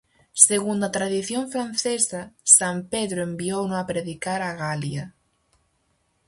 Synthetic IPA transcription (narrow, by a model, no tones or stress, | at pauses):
seɣund̪at̪ɾaðiθjõɱfɾan̟θesasampeðɾʊembiownoapɾeðikaɾaɣalja